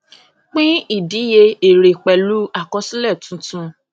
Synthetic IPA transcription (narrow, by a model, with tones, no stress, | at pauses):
k͡pĩ˦i˦˨di˨˦je˧e˨ɾe˨k͡pɛ˨lu˦a˦˨kɔ˧˦si˦lɛ˦˨tũ˨˦tũ˧˦